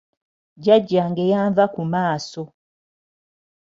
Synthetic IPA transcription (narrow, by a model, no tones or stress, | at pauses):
ɟaɟːaŋɡejaːɱvakumaːso